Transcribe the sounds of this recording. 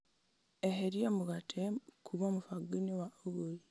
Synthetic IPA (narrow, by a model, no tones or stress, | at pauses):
eheɾiemuɣatʰekʰuβamufaɡiniwauɣoi